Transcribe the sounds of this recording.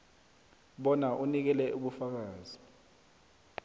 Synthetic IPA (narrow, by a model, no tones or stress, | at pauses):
ɓɔnaʔunik̬ɛlɛʔuɓufak̬aːzi